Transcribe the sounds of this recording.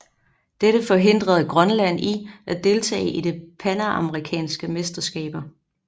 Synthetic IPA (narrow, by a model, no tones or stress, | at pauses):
d̥eɾ̥əfɒ̽ɦe̝n̰d̥ʁɐð̞̩ˠɡ̥ʁɶnlæn̰iʔæd̥e̝lt͡sʰɛ̰ːɪʔide̝pʰænæʔɑ̈məʁikʰɛ̰ːnsɡ̥əmesd̥ɐsɡ̥ɛ̰ːb̥ɐ